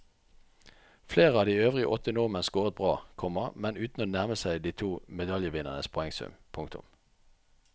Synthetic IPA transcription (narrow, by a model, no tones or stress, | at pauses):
fleːʁəɑːd̪iːøːʋʁɪə̰ʔɔt̪ənʊʁmənsɡoːʁət̪̚bʁɑːkʰɔməʁmɛnʉːt̪n̩oːnæʁməsæɪd̪iːt̪ʰuːmɛd̪ɑljəʋɪnə̰nəspʰɔɛŋsʉ̰mpʰʊŋkt̪ʊ̰m